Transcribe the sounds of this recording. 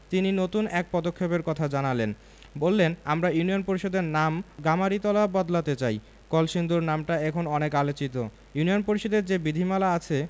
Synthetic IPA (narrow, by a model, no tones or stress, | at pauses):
t̪ininot̪unɛk̚pɔd̪okʰːepeɾkɔt̪ʰad͡ʑanalen | bolːenamɾajunionpoɾiʃod̪eɾnamɡamaɾit̪ɔlabɔd̪lat̪et͡ɕaj | kɔlʃind̪uɾnamʈaɛkʰonɔnekalot͡ɕit̪o | junijonpoɾiʃod̪eɾd͡ʑebid̪ʱimalaat͡ɕʰe